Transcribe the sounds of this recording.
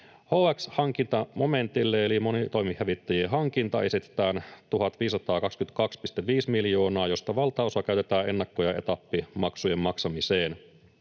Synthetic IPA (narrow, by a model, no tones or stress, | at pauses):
hoːækshɑŋk̟int̪ɑmo̞me̞nt̪ilːeelimo̞nit̪o̞jmihhæʋit̪ːæjieɦɑŋk̟int̪ɑ̰esit̪e̥t̪æːnt̪uhɑt̪ʋiːssɑt̪ɑːkɑkskyt̪̚kɑkspist̪eʋʋiːsmiljo̞ːnɑːjo̞st̪ɑʋɑlt̪ɑosɑk̟æyt̪et̪æːʔe̞nːɑkːo̞jɑʔe̞̰t̪ɑpːimɑksuje̞mːɑksɑmiseːn